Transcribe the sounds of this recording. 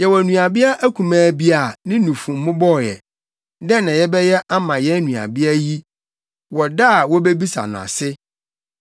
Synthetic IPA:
jɛ˨wɔ˨nũ˨a˨bɪ˦a˦ʔæ˦kʰũ˨mãː˦bi˦a˨nɪ̃˦nũ˨fũ˨m˦mʊ̃˦bɔ˦˨jɛ̰˨ | dɛ̃˦nã˨jɛ˦bɛ˦jɛ˦ʔa˦mã˨jɛ˦nũ˨a̰˨bi˦a˦ji˦ | wɔ˨da˦˨wɔ˦be˦bi˦sa̰˨nʊ̰̃˨a̰˨sɪ˦

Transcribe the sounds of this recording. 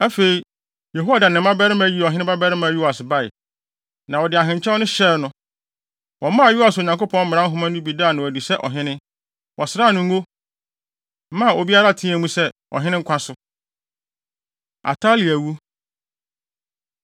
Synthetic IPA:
æ˦fe˨i˨ | je˨ɦo˦a˦˨da˨nɪ̃˨˦mã˦bɛ˦ɾɪ˦mã˨˦ji˦˨ɔ˨ɦɪ̃˦nɪ̃˦ba˦bɛ˦ɾɪ˦mã˨ju˦wa˨sba˦˨ɪ̰˨ | nã˨wɔ˨dɪ˨a˨ɦɪ̃˨ɲ˨t͡ɕʰɛ˦ɔ˦nʊ̃˦ɕɛ˦ɾnʊ̃˦ | wɔ˨˦mã˦a˨ju˦a˨so˨ɲã˨ŋko˦pʰɔ̃˦nm̩˦mɪ̃˨ã˦ɦʊ̃˦mã˦nʊ̃˦bi˨daː˦˨nã˨wæ˨di˨sɛ˦ʔɔ̰˨ɦɪ̃˦nɪ̃˦ | wʔɔ˨sɾa˦˨nʊ̃˦ŋ̩˦ɡo˦ | mã˦˨o˨bi˦a˦ɾa˦˨tʰĩ˦æ̃˨mũ˦sɛ˦ | ɔ̰˨ɦɪ̃˦nɪ̃˦ŋ̩˦kʷʰã˦sʊ˨˦ | a̰˨tʰa˦li˨æ˨wu˦

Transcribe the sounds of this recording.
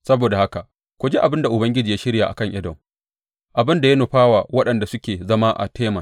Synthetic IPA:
sɐ˦boː˨da˨ha˦ka˨ | kʷu˨d͡ʒe˦ʔa˨bɪ˦nda˨ʔʊ˨bɐ˦ŋɡʲɪ˦d͡ʒiː˨jaː˦ʃɪ˦ɽja˨ʔa̰˨kɐ˦ŋʔɪ˦dɔ˨ŋ | ʔa˨bɪ˦nda˨ja˦nʊ˨ɸaː˦wa˨wɐ˦ɗɐ˨nda˨sʊ˦kʲeː˨zɐ˦ma˦ʔa̰˨tʰeː˦mɐ˨

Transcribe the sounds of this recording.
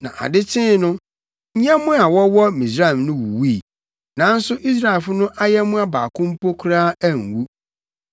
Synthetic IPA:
nã̰˨ʔa̰˨dɪ˦tʰɪ̃˦nʊ̃˦ | ɲ̩˦ɲɛ̃˦mʊ̃˦a˨wɔ˦wɔ˦mĩ˨sɾa˦˨ɛ˨mnʊ̃˦wṵ˨wiː˦˨ | nã˨˦n̩˦sʊ˦ʔi˦s̬ɾa˦˨e˨lfʊ˦nʊ̃˦ʔa˦jɛ˦mʊ̃˦a˦baː˨kʰʊ̃˦m̩˦po˦kʰʊ˦ɾaː˦æ˦˨ŋ̩˨wu˦

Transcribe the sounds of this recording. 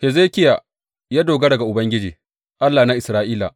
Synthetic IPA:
he˨zeː˦kʲɪ˦jaː˨ | jaː˦doː˨ɡa˦dɐ˨ɡa˨ʔʊ˨bɐ˦ŋɡʲɪ˦d͡ʒiː˨ | ʔa˦lːaː˨na˦ʔɪ˨sɾaː˦ʔiː˦la̰˨

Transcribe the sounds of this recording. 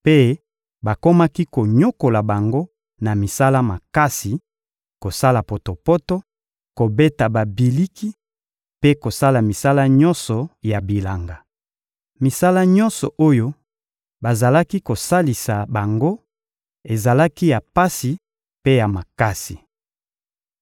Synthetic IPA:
pe˦ | ba˨ko˦ma˦ki˦ko˨ɲo˦ko˨la˨ba˨ŋɡo˦ | na˨mi˨sa˦la˦ma˨ka˦si˨ | ko˨sa˦la˨po˨to˨pɔ˦to˦ | ko˨be˦ta˨ba˨bi˨li˦ki˦ | pe˦ko˨sa˦la˨mi˨sa˦la˦ɲɔ̃˦nsɔ˨ja˨bi˨la˨ŋɡa˨ | mi˨sa˦la˦ɲɔ̃˦nsɔ̰˨ʔo˦jo˦ | ba˨za˨la˦ki˦ko˨sa˦li˨sa˨ba˨ŋɡo˦ | e˨za˨la˦ki˦ja˨pa˦si˨ | pe˦ja˨ma˨ka˦si˨

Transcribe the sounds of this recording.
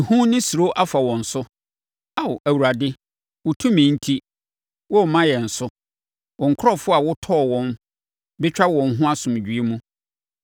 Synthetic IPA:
ɪ˨hũ˦nɪ̃˦su˨ɾo˦ʔa˦fa˨wɔ̃˨n̩˨sʊ˦ | a˨wʔæ˨wu˨ɾa˨dɪ˦ | wʊ˨tʰũ˦mĩ˨˦n̩˦tʰi˦ | wɔ˦˨mã˦jɛ˨n̩˨sʊ˦ | wɔ̃˨ŋ˨kʰɔ˦fʊ˦a˨wʊ˦tʰɔ˦˨wɔ̃˦m | bɪ˦t͡ɕᶣa˦wɔ̃˨nɦʊ̃˦a˦sʊ̃˨m˨d͡ʑᶣɥe˦mũ˦

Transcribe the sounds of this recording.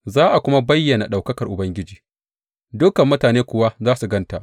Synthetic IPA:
zaː˦ʔa˨kʷʊ˦ma˦bɐ˦jːɐ˨na˨ɗa˨wkɐ˦kɐ˨rʔʊ˨bɐ˦ŋɡʲɪ˦d͡ʒiː˨ | dʊ˦kɐ˨mːʊ˦taː˨neː˦kʷʊ˨wa˦zaː˦su˨ɡɐ˦nta˨ʔ

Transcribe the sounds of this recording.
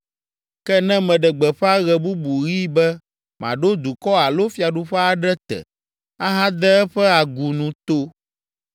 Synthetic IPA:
kɛ˦nɛ̃˦mɛ̃˨ɖɛ˨ɡ͡bɛ˨ɸɛ˦a˦ɣɛ˨bu˦bu˨ɣi˦bɛ˦ | mã̰˨ɖo˦d̪u˨kɔ˦a˨lo˦fi˨a˨ɖu˦ɸɛ˦a˦ɖɛ˦t̪ɛ̰˨ | a˦ɦã˦d̪ɛ˦ɛ˦ɸɛ˦a˨ɡu˨nũ˨t̪o˦

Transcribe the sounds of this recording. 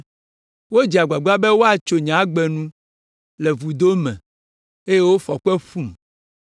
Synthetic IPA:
wo˦d͡ʒi˨a˨ɡ͡ba˨ɡ͡ba˦bɛ˦wo˦a˨t͡ʃo˨ɲã˨˦ɡ͡bɛ˨nũ˦ | lɛ˨vu˨d̪o˦mɛ̰̃˨ | e˦je˦wo˦fɔ˨k͡pɛ˦ɸu˦˨m

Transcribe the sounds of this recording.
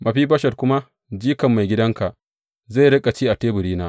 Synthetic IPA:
mɐ˨ɸiː˦bɐ˦ʃɐ˨rkʷʊ˦ma˦ | d͡ʒiː˦kɐ˨mːa˨jɡʲɪ˦dɐ˦ŋka˨ʔ | za˦˨ɽɐ˦kʼa˨t͡ʃiː˦ʔa˨teː˦bʊ˨ɽiː˦naː˦

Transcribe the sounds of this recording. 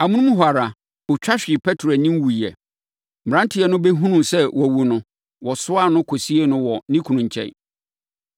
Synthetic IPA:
a˨mũ˦nũ˦m˦ɦwa˨ɾa˨ | ʊ˨t͡ɕᶣa˦ɕᶣɪ˨ɪ˨pʰɛ˦tʰɾnɪ̃˦m˦wu˨ɛ˨ | m̩˨ã˦ntʰɪ˨˦ɛ˨nʊ̃˦bɛ˦ɦũ˦nũ˨sɛ˦wɔ˨wu˨nʊ̃˨ | wɔ˨sʊ˦a˦˨nʊ̃˦kʰo˨si˦e˦nʊ̃˦wɔ˨nĩ˦kʰu˨nũ˨ɲ˨t͡ɕʰɛ̰̃˨˦˨

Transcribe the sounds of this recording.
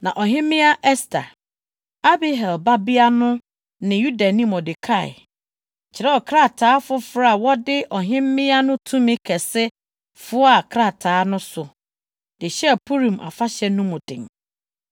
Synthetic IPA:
nã˨ʔɔ˨ɦɪ̃˦mɪ̃˦a˦ʔɛ˦stʰa̰˨ | a˦bi˦ɦɛ˨lba˦bi˦a˦nʊ̃˦ | nɪ̃˨ju˦da˨nĩ˦mɔ˨dɪ˨kʰa˦˨ɪ̰˨ | t͡ɕʰɪ˨ɾɛ˦ɔ˨kʰɾa˦˨tʰaː˨˦fʊ˦fɾa˦a˨wɔ˦dɪ˦ʔɔ˨ɦɪ̃˦mː˦ɪ̃˦a˦nʊ̃˦tʰũ˦mɪ̃˦kʰɛ˨sɪ˦ | fʊ˦a˨kʰɾa˦˨tʰaː˨˦nʊ̃˦sʊ˨ | d̥ɪ˨ɕɛ˦˨pʰu˦ɾĩ˨mʔa̰˨fa˦ɕɛ˦nʊ̃˦mʊ̃˨dɪ̰̃˨ŋ˨

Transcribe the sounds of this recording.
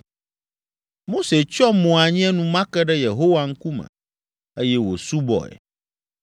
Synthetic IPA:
mo˦se˨t͡ʃɔ˦mɔ̃˨a˨ɲĩ˦ɛ̃˦nũ˦mã˦kɛ˦ɖɛ˦je˨ɦo˦wa˨ŋ̩˦ku˦mɛ̰̃˨ | e˦jɛ˦wo̰˨su˦bɔ̰˨ɛ̰˨

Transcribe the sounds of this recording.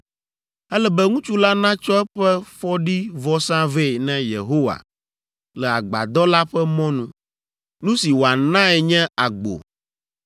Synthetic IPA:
ɛ˦lɛ˦bɛ˦ŋũ˦t͡ʃu˦la˦nã˦t͡ʃɔ˦ɛ˦ɸɛ˦ɸɔ˦ɖi˦vɔ˦sã˦ve˦˨nɛ̃˦jḛ˨ɦo˦wa̰˨ | lɛ˨a̰˨ɡ͡ba̰˨d̪ɔ˦la˦ɸɛ˦mɔ̃˦nũ˦ | nũ˦si˨wo˨a˨nã˦ɛ˨ɲɛ̃˦a˨ɡ͡bo̰˨

